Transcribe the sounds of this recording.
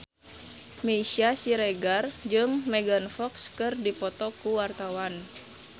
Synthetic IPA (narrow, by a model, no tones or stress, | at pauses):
mesiasiɾɛɡard͡ʒɨŋmɛɡanfɔkskɨrdipɔt̪ɔkuwart̪awan